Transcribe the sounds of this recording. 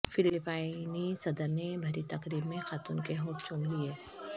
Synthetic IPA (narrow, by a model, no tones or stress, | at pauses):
fɪlɪpaːɪnisɐd̪əɾnebʱɐɾit̪ɐkɾiːbmẽxaːt̪uːnkeɦõːʈt͡ʃʊnlieː